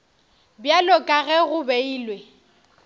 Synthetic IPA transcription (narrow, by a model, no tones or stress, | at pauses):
bjalɔkʼaɣɛɣʊbeiːlwe